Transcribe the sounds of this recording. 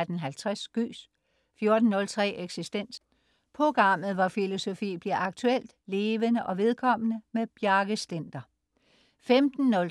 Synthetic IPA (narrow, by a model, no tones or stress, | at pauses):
d̥n̩ɦælt͡sʰʁasɡ̥y̰ːs | fjo̝ɐd̥n̩ːɔ̽lt͡sʰʁɛ̰ːʔeɡ̥sisd̥en̰s | pʰʁo̝ɡ̥ʁɑ̈m̰ð̩ˠʋɒfilo̝so̝fḭːb̥liɐɑ̈ɡ̥̚t͡sʰuel̰d̥le̝ːʋənəʔɒ̽ʋe̝ð̞ˠkʰɒ̽m̰ənəmeb̥jæɐɡ̥əsd̥en̰d̥ɐ | femd̥n̩ːɔ̽l